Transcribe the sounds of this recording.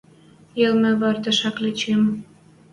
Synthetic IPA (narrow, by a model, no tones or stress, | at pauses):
jelmĕβɑrd̪ə̆ʃɑklet͡ɕem